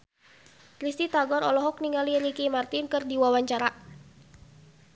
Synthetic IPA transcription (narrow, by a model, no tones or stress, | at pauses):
ɾist̪it̪aɡɔɾɔlɔɦɔk̚niŋaliɾikimart̪inkɨrdiwawaɲt͡ʃaɾa